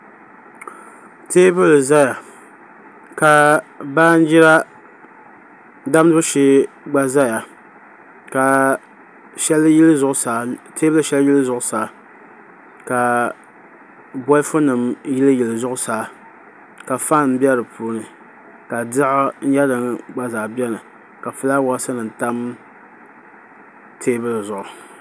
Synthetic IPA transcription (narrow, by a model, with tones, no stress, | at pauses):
teː˦bɨ˦lza˦ja˨ | ka˨baː˦n̩˦d͡ʒi˦ɾa˦ | da˦m˦nɨ˦bɨ˦ʃɪ˦ | ɡ͡ba˦za˦ja˨ | ka˨ | ʃɛ˦llzʊ˨ʔʊ˦saː˨tʰeː˦bɨ˦lɨ˨ʃɛ˦ljɪ˦lɨ˦zʊ˨ʔʊ˨saː˨ | ka˨ | bɔ˦ɪ˦fʊ˦nɨ˨mjɪ˦lɨ˦jɪ˨lɨ˨zʊ˦ʔʊ˦saː˨˦ | ka˨fa˦n˨m̩˦bjɛ˦ɾɨ˨pʰuː˦nɨ˨ | ka˨dɪ˦ʔa˦n̩˦ja˦dɨ˨ŋɡ͡ba˦zaː˨bɛ˦nɨ˨ | ka˨fɨ˦la˦wɔ˦sɨ˦nɨ˨n˨ta˦m | tʰeː˦bɨ˦lzʊ˨ʔʊ˨